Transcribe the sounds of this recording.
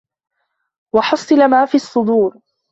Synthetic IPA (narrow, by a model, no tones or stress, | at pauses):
wɑħɑsˤːɨlamaːfiːɑsˤːʊd̪uːɾ